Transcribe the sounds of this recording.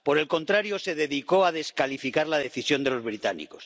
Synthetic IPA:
po̞ɾe̞lko̞nt̪ɾaɾjoseðe̞ðiko̞að̞e̞skalifikaɾlað̞e̞θisjo̞nd̪e̞lozβɾit̪anḭko̞s

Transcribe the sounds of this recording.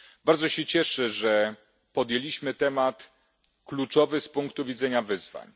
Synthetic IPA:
baɾd̪zɔɕɛt͡ɕɛʂɘʐɛ | pɔd̪jelʲiɕmɘt̪ɛmat̪ | klut͡ʂɔvɘspuŋkt̪uvʲidzɛɲavɘzva̰ɲ

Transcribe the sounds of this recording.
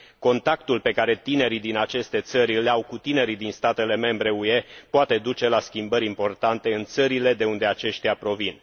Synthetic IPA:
ko̞nt̪akt̪ulpe̞kaɾe̞t̪ine̞ɾid̪inat͡ʃe̞st̪e̞t̪səɾʲleawkut̪ine̞ɾid̪inst̪at̪e̞le̞me̞mbɾe̞ue̞poat̪e̞d̪ut͡ʃe̞laskʲimbəɾʲimpo̞rt̪ant̪e̞ɨnt̪səɾile̞d̪e̞und̪e̞at͡ʃe̞ʃt̪iapɾo̞vin

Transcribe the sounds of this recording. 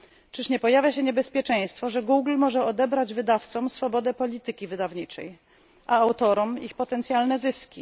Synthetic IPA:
t͡ʂɘʂɲɛpɔjavʲjaɕɛɲɛbɛspʲjɛt͡ʂɛ̃j̃st̪fɔʐɛɡuɡlmɔʐɛɔd̪ɛbɾad͡ʑvɘd̪aft̪sɔmsfɔbɔd̪ɛpɔlʲit̪ɘkʲivɘd̪avɲit͡ʂɛ̰j | ʔaːwt̪ɔɾɔmixpɔt̪ɛnt̪sʲjalnɛzɘskʲi

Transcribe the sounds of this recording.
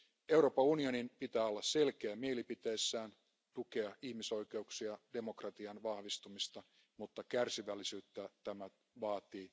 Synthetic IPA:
e̞wɾo̞ːpɑunio̞nimpit̪æːolːɑsse̞lkeæmielipit̪e̞ːsːæːn | t̪uke̞ɑihmiso̞ikeuksiɑd̥e̞mo̞krɑt̪iɑnʋɑhʋist̪umist̪ɑ | mut̪ːɑkærsiʋælːisyːt̪ːæt̪æmæ | ʋɑːt̪iː

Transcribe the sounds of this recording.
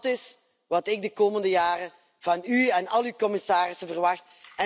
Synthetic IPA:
tɪs | ʋɑtɪɡ̚dəkoːməndəjaːrə | vɑnyɛnɑlˠywkɔmɪsaːrɪsəvərʋɑxt | ɛ

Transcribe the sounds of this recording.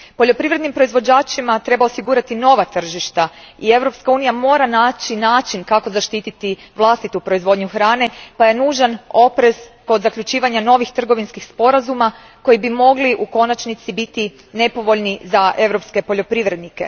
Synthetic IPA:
po̞ʎo̞pɾiʋɾe̞d̪nimpɾo̞izʋo̞d͡ʑaːt͡ʃimat̪ɾe̞bao̞siɡuːɾat̪ino̞ʋat̪r̩ʒiʃt̪a | ie̞ʋɾo̞pskauːnijamo̞ːɾanaːt͡ʃinaːt͡ʃinkako̞zaʃt̪iːt̪it̪iʋlˠast̪it̪upɾo̞izʋo̞d̪ɲuxɾaːne̞paje̞nuːʒano̞pɾe̞zko̞d̪zakʎut͡ʃiːʋaɲano̞ʋixt̪r̩ɡo̞ʋinskixspo̞ɾazuma | ko̞jibimo̞ɡliʔuko̞nat͡ʃnit̪sibit̪i | ne̞po̞ʋo̞ʎnizaʔe̞ʋɾo̞pske̞po̞ʎo̞pɾiʋɾe̞d̪nike̞̰

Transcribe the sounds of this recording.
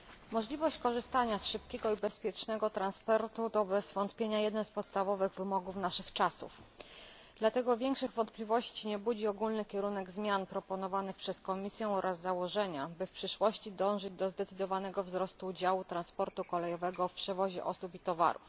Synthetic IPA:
mɔʐlʲivɔɕt͡ɕkɔʐɘst̪aɲasʂɘpkʲɛɡɔibɛspʲjɛt͡ʂnɛɡɔt̪ɾanspɔɾt̪ut̪ɔbɛzvɔnt̪pʲjeɲajɛd̪nɛnspɔt̪st̪avɔvɘɣvɘmɔɡufnaʂɘxt͡ʂasṵf | d̪̥lat̪ɛɡɔvʲjɛŋkʂɘɣvɔnt̪plʲivɔɕt͡ɕiɲɛbud͡ʑiɔɡulnɘkʲɛɾunɛɡzmʲjanpɾɔpɔnɔvanɘxpʂɛskɔmʲisʲjɛ̃ɔɾʔazːawɔʐɛɲabɘfpʂɘʂwɔɕt͡ɕid̪ɔ̃w̃ʐɘd͡ʑd̪ɔzd̪ɛt̪sɘd̪ɔvanɛɡɔvzɾɔst̪uːd͡ʑawut̪ɾanspɔɾt̪ukɔlɛjɔvɛɡɔfpʂɛvɔʑɛ̰ʔɔsupit̪ɔva̰ɾṵf

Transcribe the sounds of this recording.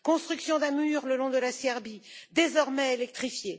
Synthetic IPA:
kɔ̃st̪χyksjɔ̃d̪ɛ̃myʁləlɔ̃d̪əlasɛʁbid̪ezɔʁmɛelɛk̚t̪χifje

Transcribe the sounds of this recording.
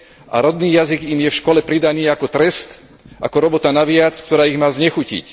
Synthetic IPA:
ʔa̰ɾɔd̪niːjaziɡimjɛfʃkɔlɛpɾid̪aniːakɔt̪ɾɛst̪ | ʔa̰kɔɾɔbɔt̪anaʋɪat͡skt̪ɔɾaːiɣmaːzɲɛxucḭc

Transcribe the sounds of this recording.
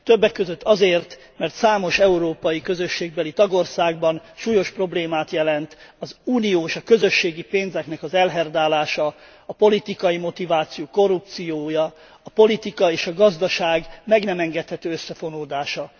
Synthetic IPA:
t̪ø̞bːɛkːøzøt̪ːɒzeːrt̪ | mɛrt̪saːmo̞ʃɛuɾoːpɒjikø̞zøʃːeːɡ̚bɛlit̪ɒɡo̞rsaːɡ̚bɒnʃuːjo̞ʃpro̞bleːmaːt̪jɛlɛnt̪ɒzuːnijoːeʃɒkø̞zø̞ʃːeːɡipeːnzɛknɛkɒzɛlɦɛrd̪aːlaːʃɒː | po̞lit̪ikɒjimo̞t̪ivaːt̪sijoːko̞rːup̚t̪sijoːjɒː | po̞lit̪ikɒeːʃɒɡɒzd̪ɒʃaːɡmɛɡnɛmɛŋɡɛt̪hɛt̪øːøsːɛfo̞noːd̪aːʃɒ

